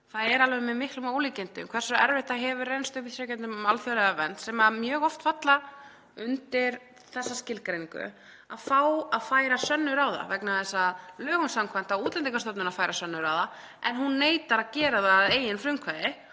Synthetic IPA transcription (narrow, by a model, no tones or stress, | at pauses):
θaðɛɾalvɛmɛðmɪhklʏmowliːcɛent̪ɪ̰kʰvɛɾ̥sʏɛ̰ɾvɛɪht̪aɦɛvʏrejnst̪ʏhpiθɾœcɛnʏmalfjœlɛðavɛnt̪sɛmamjœːɣɔft̪fat̪la | ʏnt̪ɪɾ̥ | θɛsːascɪlkɾejniŋkʏ̰ | aðfaːwaðfaːjɾasœnːʏɾawða̰vɛknaθɛsːalœːɣʏnsamkʰvajn̥t̪auːt̪lɛnt̪iŋkast̪œpnʏnaðfaːjɾasœnːʏɾaːwða | ɛnɦunːeːjt̪aɾaðcɛːɾaðaːðeːjɪnfɾʏmkʰvaðɪ